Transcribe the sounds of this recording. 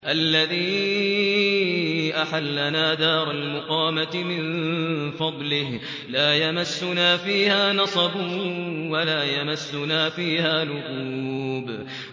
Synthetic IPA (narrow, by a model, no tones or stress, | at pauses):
ʔalːaðiː | ʔaħalːanaːd̪aːɾˤalmʊqɑːmat̪mɪnfɑd̪ˤlɪh | laːjamasːʊnaːfiːhaːnɑsˤɑbʊwalaːjamasːʊnaːfiːhaːlʊɣuːb